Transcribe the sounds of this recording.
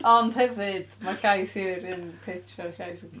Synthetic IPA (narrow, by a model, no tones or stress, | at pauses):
ɔnd̥hɛvɨd̥maɬajsiɾɨnpʰetʰɔɬajsi